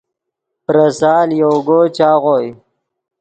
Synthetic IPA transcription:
pɾɐsaːljowɡoːt͡ɕaːɣoːj

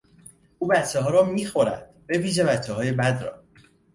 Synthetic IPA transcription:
ʔuːbæt͡ʃʰːeɦɒːɾɒːmiːxoɾæ̰d̪̥b̥e̞viːʒevætʰːeɦɒːje̞bæd̪rɒ̰ː

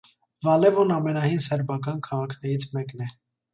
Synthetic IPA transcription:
vɑlɛvɔnɑmɛnɑhinsɛɾbɑkɑnkʰɑʁɑkʰnɛɾit͡sʰmɛknɛ

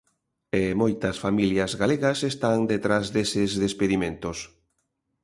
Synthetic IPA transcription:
emojt̪ɐsfamiljɐzɣaleɣɐsest̪aŋd̪et̪ɾazðesɪzðespeðimẽnt̪os

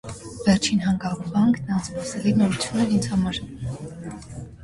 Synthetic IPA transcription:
vɛrt͡ʃʰinɦɑŋɡɑʁubɑŋkʰnɑnt͡spɑsɛlinɔɾut͡sʰjunːɛɾind͡zhɑmɑɾ

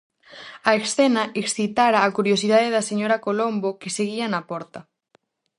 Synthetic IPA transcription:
ɐeksθenɐʔeksθit̪aɾaːkuɾjosiðaðeðɐseɲoɾɐkolombokeseɣiɐnɐpɔɾt̪ɐ

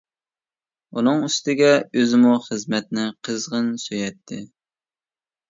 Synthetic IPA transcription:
unɨŋyst̪ɪɡʲɛøzɪmuχəzmɛt̪̚nɪqʰəzʁənsøjɛt̪ʰːɪ

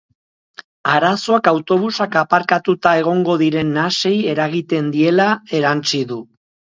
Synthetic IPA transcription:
aɾaso̞akawt̪o̞βusakapaɾkat̪ut̪ae̞ɣ̞o̞ŋɡo̞ðiɾe̞nːase̞je̞ɾaɣit̪e̞nd̪ie̞lae̞ɾant͡siðu

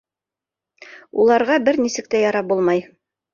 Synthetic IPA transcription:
ulˠɑɾʁɑbɘɾnisɘ̆k̚t̪æjɑɾɑp̚bulˠmɑj

